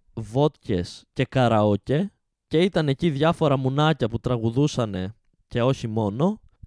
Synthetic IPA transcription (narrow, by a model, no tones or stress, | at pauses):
vo̞t̪ce̞sce̞kɐɾɐoce̞ | ce̞it̪ɐne̞ciðʝɐfo̞ɾɐmunɐcɐput̪ɾɐɣuðusɐne̞ | ce̞o̞çimo̞no̞